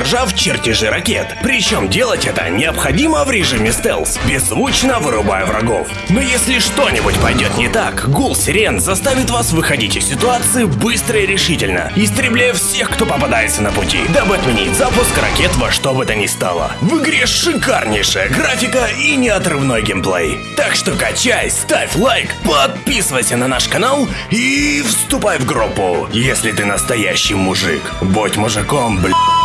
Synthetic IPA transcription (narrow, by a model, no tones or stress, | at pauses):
rʐaft͡ɕɪrtʲɪʐɨɾɐkʲḛt̪pɾʲɪt͡ɕo̞mdʲe̞lˠətʲɛt̪ə̰nʲɪəpxɐdʲiməvɾʲɪʐɨmʲɪst̪ɛ̰lˠsbʲɪzvut͡ɕnəvɨɾʊba̰jəvɾɐ̰ɡo̞̰f | nojesʲlʲɪʂt̪o̞nʲɪbʊtʲpɐjdʲo̞t̪nʲɪt̪akɡulˠsʲɪɾʲenzɐst̪avʲɪt̪vasvɨxɐdʲitʲɪsʲːɪt̪ʊat̪sɨɪbɨst̪ɾəɪɾʲɪʂɨtʲɪlʲnə̰ɪst̪ɾʲɪblʲæjəfsʲe̞xkt̪o̞pəpad̪ajɪt̪sənəpʊtʲḭd̪abɨɐt̪mʲɪnʲitʲzapʊskɾɐ̰kʲe̞t̪vɐʂt̪o̞bɨt̪ənʲɪst̪a̰lˠə̰vɨɡɾʲeʂɨkarnʲɪjʂɨjəɡrafʲɪkəinʲɪɐt̪rɨvno̞jɡʲɪmplˠḛjt̪akʂt̪o̞kɐt͡ɕajst̪afʲlˠajkpɐt̪̚pʲisɨvəjsʲənɐnaʂkɐnalˠ | ifst̪ʊpajvɡɾupːʊ̰jesʲlʲɪt̪ɨnəst̪ɐjæ̰ɕːɪjmʊʐɨ̰kbutʲmʊʐɨkomblʲ